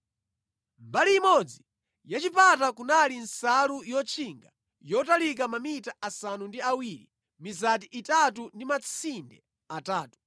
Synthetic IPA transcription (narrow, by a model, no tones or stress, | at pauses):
mbaliːmɔd͡zi | jat͡ʃipʰatakunalin̩salujɔt͡ʃʰiŋɡa | jɔtalik̬amamitaasanundiawiːɾi | mizat̬iʔitatundimat͡sʰindɛ | ataːtu̥